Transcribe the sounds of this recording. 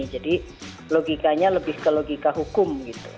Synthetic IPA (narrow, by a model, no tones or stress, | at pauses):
id͡ʒadi | loɡikaɲaləbɪhkəloɡikaɦukʊmɡit̪u̥